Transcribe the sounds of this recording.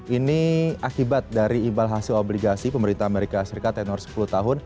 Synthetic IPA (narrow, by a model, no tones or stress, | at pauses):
iniakibat̪̚daɾiːmbalɦasɪlobliɡasipəməɾint̪ahameɾikasəɾikat̪ːɛnɔrsə̥puluht̪aɦʊn